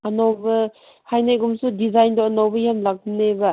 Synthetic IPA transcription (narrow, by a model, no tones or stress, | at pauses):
ɐnowbɐ | hajnajɡumsudizajndoɐnowbɐjamlak̚mnebɐ